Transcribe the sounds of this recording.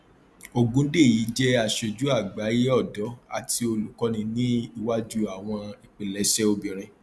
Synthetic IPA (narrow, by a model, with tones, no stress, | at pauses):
o˧ɡũ˦de˦˨ji˨˦d͡ʒɛ˦a˨ʃe˧d͡ʒu˦a˦˨ɡ͡ba˨˦ji˦ɔ˦˨dɔ˨˦a̰˨tʰi˧o˧lu˨kɔ˦nĩ˧nĩ˦i˧wa˦d͡ʒu˦a˨w̃ɔ̃˧i˨k͡pe˨lɛ˨˦ʃɛ˦o˧bĩ˨ɾ̃ĩ˧